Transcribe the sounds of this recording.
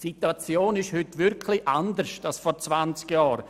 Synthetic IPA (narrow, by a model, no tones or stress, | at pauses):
situat͡sjoːnɪʃhʏtʋɪɾkʰliʔand̪əɾʃtalsfɔɾt͡svant͡skjɑːɾ